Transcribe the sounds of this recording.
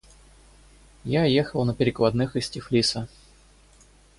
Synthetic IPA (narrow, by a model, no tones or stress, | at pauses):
jajexəlˠnəpʲɪɾʲɪklˠɐd̪nɨxɪsʲtʲɪflʲisə